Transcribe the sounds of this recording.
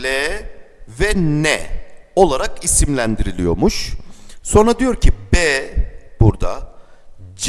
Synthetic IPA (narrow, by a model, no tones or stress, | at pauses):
lɛːvɛnɛo̞lˠaɾakʰisimlʲænd̪iɾilʲijo̞ɾmuʃso̞nɾad̪ijo̞ɾcʰibɛːb̥uɾd̪a̰ | d͡ʒ